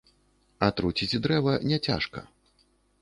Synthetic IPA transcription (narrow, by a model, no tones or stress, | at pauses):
ɐt̪ɾut͡sʲit͡sʲd̪ɾɛvɐnʲɛt͡sʲa̰ʂkɐ̰